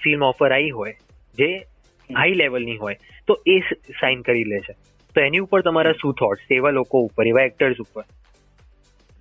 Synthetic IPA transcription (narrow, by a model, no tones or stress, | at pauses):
filmɔfəɾaiɦoj | d͡ʒe | ɦaileʋəlniɦojt̪oʔesainkəɾilet͡ʃʰe | t̪oɛniupəɾt̪əmaɾasut̪ʰɔʈseʋalokoupːəɾeʋaɛk̚ʈəɾsupəɾ